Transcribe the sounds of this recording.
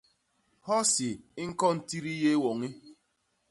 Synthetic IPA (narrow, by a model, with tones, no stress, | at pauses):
hɔ˦si˨˦ŋ̩˦kɔ˦n̩˨ti˦ɾi˦je˦wo˨ŋi˦